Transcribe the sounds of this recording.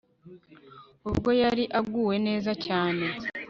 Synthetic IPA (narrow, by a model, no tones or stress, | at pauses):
ubɡo̞jaɾiʔaɡuːwe̞ne̞ːzacaːne̞